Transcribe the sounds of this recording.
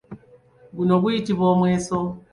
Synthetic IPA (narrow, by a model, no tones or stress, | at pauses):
ɡunoβuitiβomweso